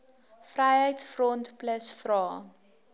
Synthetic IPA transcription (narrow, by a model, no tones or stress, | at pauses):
frɛjɦəjtsfrɔntpləsfrɑː